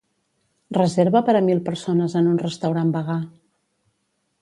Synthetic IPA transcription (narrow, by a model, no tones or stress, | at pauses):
rəzeɾβəpəɾəmilˠpəɾsonəzənunrəst̪əwɾambəɣ̞a